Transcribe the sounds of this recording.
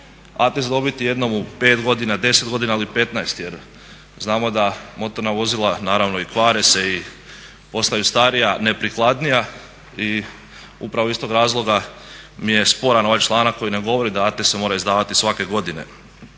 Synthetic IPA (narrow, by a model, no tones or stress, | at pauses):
a̰t̪esd̪o̞bit̪ije̞d̪no̞mupe̞ːt̪ɡo̞d̪inad̪e̞set̪ɡo̞d̪inailipe̞t̪naest̪je̞ɾ | znaːmo̞d̪amo̞t̪o̞ɾnaʋo̞zilˠanaːɾaʋno̞ikʋaːɾese̞i | po̞st̪ajust̪aɾijane̞pɾiklˠad̪nija | i | ṵpɾaʋoist̪o̞ɡɾaːzlˠo̞ɡamije̞spo̞ɾano̞ʋajt͡ʃlˠaːnakojine̞ɡo̞ʋo̞ɾid̪aat̪esemo̞ːɾaizd̪aːʋat̪isʋake̞ɡo̞d̪ine̞̰